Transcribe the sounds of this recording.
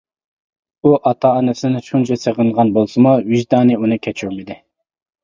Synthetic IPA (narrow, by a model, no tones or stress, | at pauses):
uʔɑt̪ʰɑɑnɨsɪnɪʃunt͡ʃʰɛseʁənʁɑnbolˠsɨmuwiʒd̪ɑːnɨunɨkʲʰɛt͡ʃʰuɾmɪd̪ɪ